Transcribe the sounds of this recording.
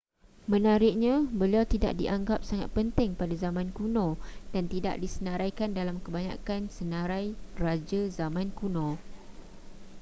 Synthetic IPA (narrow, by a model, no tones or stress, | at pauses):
mə̃naɾɪʔ̚ɲãbəliawt̪ida̰ʔ̚diʔaŋɡap̚saŋat̪̚pənt̪ɪŋpadazamãnkunɔ̃d̥ant̪ida̰ʔdisənãɾajkandalamkəbaɲã̰kansənãɾajrad͡ʒazamãnkunɔ̃